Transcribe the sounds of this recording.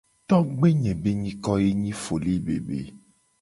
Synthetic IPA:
t̪ɔ˦ɡ͡be˦ɲɛ̃˨be˦ɲĩ˦kɔ˦je˦ɲĩ˦fo˨li˦bḛ˨bḛ˨

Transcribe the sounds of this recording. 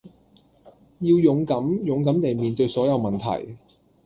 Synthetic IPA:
jiː˧wjʊ˨˥ŋkɐ˨˥mjʊ˨ŋkɐ˨˥mt̪e˨jmiː˨nt̪ɵ˧ɥsɔː˨˥jɐ˨˧wmɐ˨nt̪ʰɐ̰˨˩j

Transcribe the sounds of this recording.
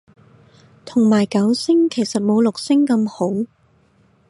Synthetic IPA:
t̪ʰʊ˨˩ŋmaː˨˩jkɐ˨˥wsɪ˥ŋkʰe˨˩jsɐ˨t̚mo˨˧wlʊ˨k̚sɪ˥ŋkɐ˧mho˨˥w

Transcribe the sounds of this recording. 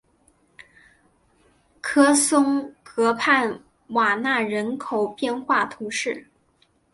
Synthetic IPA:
kʰɤ˥sʊ˥ŋkɤ˧˥pʰa˥˩n | wa˨˩na˥˩ɻə˧˥nkʰo˨˩ʊpjɛ˥˧nxwa˥˩t̪ʰu˧˥ʂɻ̩˥˩

